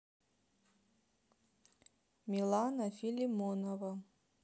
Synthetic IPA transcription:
mʲilˠanafilʲimonova

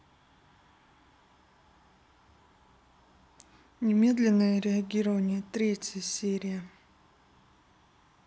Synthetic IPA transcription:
nʲɪmʲe̞d̪lʲɪnːəjəɾʲɪɐɡʲiɾəvənʲɪjət̪ɾʲetʲjjəsʲeɾʲɪjə

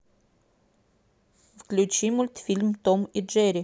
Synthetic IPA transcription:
fklʲʉt͡ɕimʊlʲt̪fʲilʲmt̪omiʒɛɾʲɪ

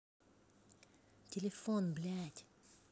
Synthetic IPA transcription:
tʲelʲefɔnblʲætʲ

